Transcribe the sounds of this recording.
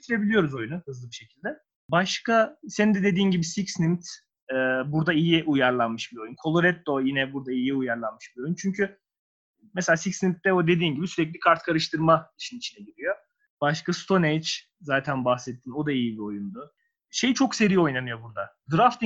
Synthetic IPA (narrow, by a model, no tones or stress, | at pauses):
t̪ʰɾe̞bilʲijo̞ɾuzo̞junuhɯzlˠɯbiʃe̞cʰilʲd̪ɛ | baʃkase̞nind̪ɛd̪e̞d̪iːnɟibisicsnimt̪ | ɛːbuɾd̪aijiʔujaɾlˠanmɯʃbiɾo̞junkʰo̞lˠo̞ɾɛt̪̚ːo̞jinɛbuɾd̪aijiujaɾlˠanmɯʃb̥iɾo̞junt͡ʃʰyɲcʰy | mɛselʲaːsicsnimt̪̚ːɛo̞d̪ed̪iːnɟibisyɾɛc̬ʲlʲikʰaɾt̪kʰaɾɯʃt̪ʰɯɾmaiʃʰinit͡ʃʰinɛɟiɾijo̞ | b̥aʃkast̪ʰo̞nejt͡ʃ | zaːt̪ʰænbaxsɛt̪ʰːiːno̞d̪aijibio̞jund̪ʊ | ʃe̞jit͡ʃʰo̞kse̞ɾijoo̞jnanɯjo̞buɾd̪ad̪ɾaft̪